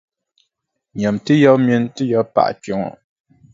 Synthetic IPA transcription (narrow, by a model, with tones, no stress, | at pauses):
ɲ˨a˨mtɨ˦jɔ˦mjɛ˦ntɨ˦jɔ˦pa̰˨ʔt͡ʃɔ˨˦ŋɔ̰˨